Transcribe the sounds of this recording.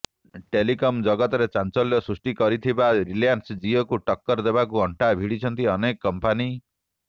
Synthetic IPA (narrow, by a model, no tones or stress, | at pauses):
ʈelikɔmd͡ʒɔɡɔt̪ɔɾet͡ʃant͡ʃɔljɔsɾusʈikɔɾit̪ʰibaɾiljansd͡ʒiɔkuʈɔkːɔɾd̪ebakuɔɳʈabʱiɽit͡ʃʰɔnt̪iɔnekɔkːɔmpani